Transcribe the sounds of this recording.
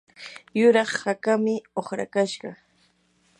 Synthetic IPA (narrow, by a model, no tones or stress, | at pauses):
jʊɾɑχhakamɪoχɾa̰kaʃɢɑ